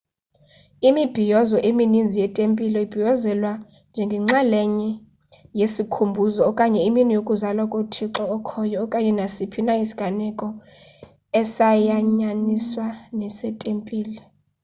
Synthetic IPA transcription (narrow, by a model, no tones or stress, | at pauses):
imib̥ʱijɔzɔʔeminind͡zʱijɛtʼempʼilɔib̥ʱijɔzɛlwa | nd͡ʒʱɛŋɡʱɛŋ͡ǁalɛɲɛ | jesikʰumbʱuzɔːkʼaɲɛiminijokʼuzalwakʼotʰiǁɔːkʰɔjɔːkʼaɲɛnasipʰinaisi̥ɡ̥ʱanɛkʼɔ | ɛsajaɲaniswanɛsɛtʼempʼiːlɛ